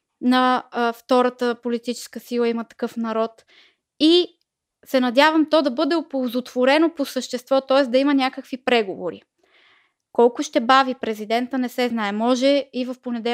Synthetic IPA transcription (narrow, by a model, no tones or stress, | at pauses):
nɐft̪ɔɾət̪əpolit̪it͡ʃɛ̥skəsilˠəimət̪ɐ̥kɤfnɐɾɔt̪ | i | sɛnɐd̪ʲavəmt̪ɔd̪ɐbɤd̪ɛopolˠzot̪v̥oɾɛnoposəʃt̪ɛst̪vɔt̪ɔɛsd̪ɐimənʲakəkvipɾɛɡovoɾḭ | kɔlˠkʊʃt̪ɛbavipɾɛzid̪ɛnt̪ənɛsɛznaɛmɔʒɛivəfponɛd̪ɛ